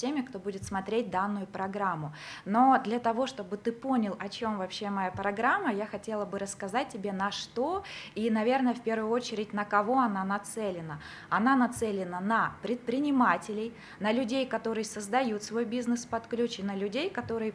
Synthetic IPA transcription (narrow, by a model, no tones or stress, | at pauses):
emʲɪkt̪o̞budʲɪt̪smɐt̪ɾʲet̚ʲd̪anːʊjʊpɾɐɡɾamːʊno̞d̪lʲɐt̪ɐvo̞ʂt̪o̞bɨt̪ɨpo̞nʲɪlˠɐt͡ɕo̞mvɐpɕːe̞mɐjapɾɐɡɾamːəjaxɐtʲe̞lˠəbɨɾəskɐzat̚ʲtʲːɪbʲe̞nɐʂt̪o̞inɐvʲe̞rnəjəfpʲe̞rvʊjʊot͡ɕɪɾʲɪtʲnəkɐvo̞ɐn̪anɐt̪sɛlʲɪnə | ɐnanɐt̪sɛlʲɪnənɐpɾʲɪt̪̚pɾʲɪnʲɪmatʲɪlʲɪj | nəlʲʉdʲejkɐt̪o̞ɾɨjəsəzd̪ɐjut̪svo̞jbʲiznɨspɐt̪klʲut͡ɕɪnəlʲʉdʲejkɐt̪o̞ɾɨjə